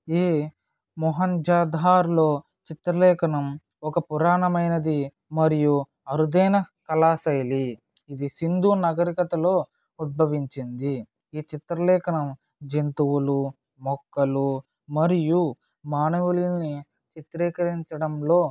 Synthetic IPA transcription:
iː | mɔɦɐnd͡ʒaːd̪ʱaːɾlo̞ː | t͡ʃit̪ɾɐlɛːkɐnɐm | ɔkɐpuɾaːɳɐmɐjnɐd̪i | mɐɾiju | ɐɾud̪ɐjnɐkɐlaːsɐjli | id̪isind̪uːnɐɡɐɾikɐt̪ɐlo̞ː | ud̪̚bʱɐʋiɲt͡ʃind̪i | iːt͡ʃit̪ɾɐlɛːkɐnɐm | d͡ʒent̪uwulu | mɔkːɐlu | mɐɾiju | maːnɐʋulini | t͡ʃit̪ɾɛːkɐɾiɲt͡ʃɐɽɐmloː

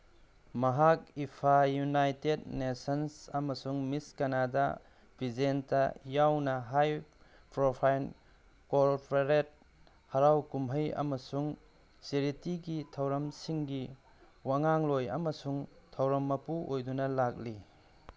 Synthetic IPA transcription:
mɐɦak̚ipʰajunajtednesɐnsɐmɐsuŋmiskɐnada | bʱizentɐjawnɐɦaj | pɾopʰajn | koɾpʰeɾet̚ | hɐɾawkumɦɐjɐ̰mɐsuŋ | siɾitiɡitʰɐwɾɐmsiŋɡi | waŋaŋlojɐ̰mɐsuŋtʰɐwɾɐmːɐpuʔojdunɐlak̚li

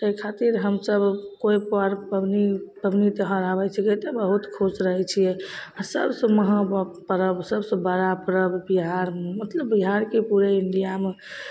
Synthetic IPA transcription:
ekʰat̪iɾɦəmsəbkoipaɾəbnipəbnit̪əɦəɾaβɛt͡ʃʰiket̪əbəɦut̪kʰosɾəɦɛt͡ʃʰijɛasəbsə̃məɦə̃pəɾəbsəbsə̃bəɾapɾəbbiɦaɾmemət̪ləbːiɦaɾkepuɾeiɳɖijame

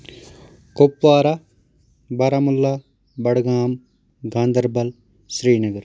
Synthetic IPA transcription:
kopʋaːɾɐ | bɐɾɐmulːɐ | bɐɽɡaːm | ɡʱaːnd̪ɐɾbɐl | ʃɾiːnɐɡɐɾ

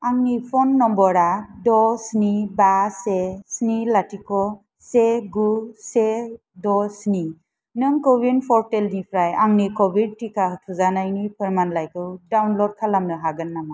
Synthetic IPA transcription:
aŋnipʰɔnːɔmbɔɾadɔsnibasesnilatikɔ | seɡuse | dɔsni | nɯŋkɔbinpʰɔɾteldipʰɾajaŋnikɔbid̚tikatʰuzanajnipʰɯɾmanlajkɯwdawnlɔd̚kʰalamnɯɦaɡɯnːama

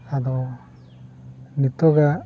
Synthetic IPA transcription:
ad̪o | nit̪oɡa

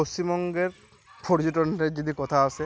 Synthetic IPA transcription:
osimɔŋɡeɾ | poɾd͡ʑoʈɔned͡ʑod̪ikɔt̪ʰaase

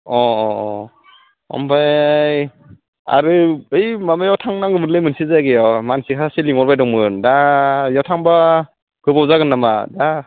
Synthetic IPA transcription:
ɔ | ɔ̰mbajj | a̰ɾɯɯjmamajawtʰaŋnaŋɡɯmɯɾlɯjmɯnsizajɡejɔmansikʰasiliŋɔɾbajdɔŋmɯndajawtʰaŋba | kɯbawzaɡɯnːamada

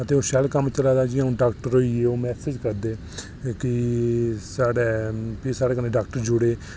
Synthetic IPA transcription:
ət̪eːoːʃɛlkəmt͡ʃəlaːd̪aːd͡ʒiːaũːɖaːkʈəɾɦoːiːeːoːmɛːsed͡ʒkəɾd̪eː | kɪ | saːɖeːpʰisaːɽeːkəneːɖaːk̚ʈəɾd͡ʒʊɽeː

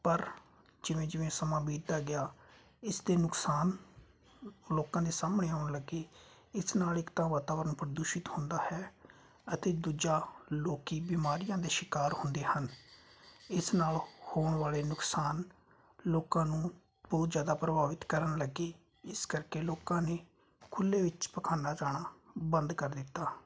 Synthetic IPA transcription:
pəɾ | d͡ʒɪʋẽːd͡ʒɪʋẽːsəmãːbiːd̪d̪aːɡɪjaː | ɪsd̪eːnʊksaːn | loːkãːd̪eːsaːməɳeːaːʊɳləɡeː | ɪsnaːlɪkt̪ãːʋaːt̪aːʋəɾənpɾəd̪uːʃɪt̪hʊ̃nd̪aːhɛː | ət̪eːd̪uːd͡ʒaːloːkiːbiːmaːɾɪjãːd̪eːʃɪkaːɾhʊ̃nd̪eːhən | ɪsnaːlhoːɳʋaːleːnʊksaːn | loːkãːnũː | bɔːt̪zjaːd̪aːpɾəbaːʋɪt̪kəɾəɳləɡeː | ɪskəɾkeːloːkãːneː | kʰʊlːeːʋɪt͡ʃpəkʰaːnaːd͡ʒaːɽaːbənd̪kəɾd̪ɪt̪ːaː

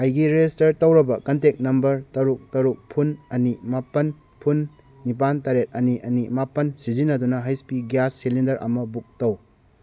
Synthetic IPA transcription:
ɐjɡiɾestɐɾtɐwɾɐbɐkɐntek̚nɐmbɐɾtɐɾuk̚tɐɾuk̚pʰunɐnimapɐn | pʰunː | ip̬antaɾet̚ɐniʔɐnimapɐnsizinːɐdunɐɦajspiɡjasːilindɐɾʔɐ̰mɐbuk̚tɐw

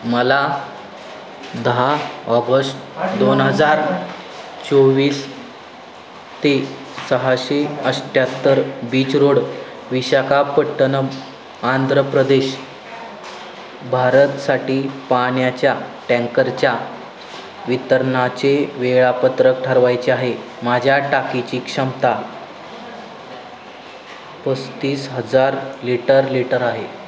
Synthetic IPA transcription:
məla | d̪əɦaɔɡəsʈd̪onɦəd͡zaɾ | t͡soʋiːs | t̪e | səɦaɕeəsʈʰjat̪ːəɾbiːt͡sɾoɽ | ʋiɕakapəʈːənə | and̪ʱɾəpɾəd̪eɕ | bʱaɾət̪saʈiːpaɳjat͡ɕjaʈɛ̃ŋkəɾt͡ɕja | ʋit̪əɾɳat͡ɕeʋeɭapət̪ɾək̚ʈʰaɾʋajt͡ɕeaɦe | mad͡ʑʱjaʈakit͡ɕiːkʂəmt̪a | pəst̪iːsɦəd͡zaɾliʈəɾliʈəɾaɦe

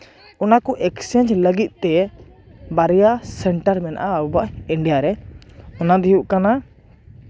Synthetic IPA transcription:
ɔnakɔʔɛksɛnd͡ʒləɡit̪̚ˀt̪ɛ | baɾɛjasɛɳʈəɾmɛna̰ʔabubaʔiɳɖijaɾɛɔnad̪iɦuʔkana

